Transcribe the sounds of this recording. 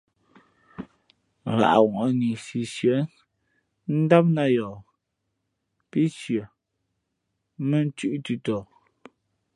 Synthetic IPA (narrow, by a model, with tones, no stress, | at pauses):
ɣa̰˨ʔwɔ˨ʔɔ˨˦ni˨si˨sjə˨˦ | n̩˦da˦p̚na˦˨jɔː˨ | pi˦ʃjə˨ | mə˦n˦tʉ˦ʔtʉ˦tɔː˨